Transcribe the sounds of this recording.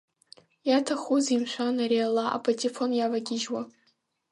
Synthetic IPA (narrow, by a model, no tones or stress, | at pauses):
jatʰaχʷuzimʃʷanaɾialaʔa̰pʰotʰʲifonjavaɡʲɪʒwa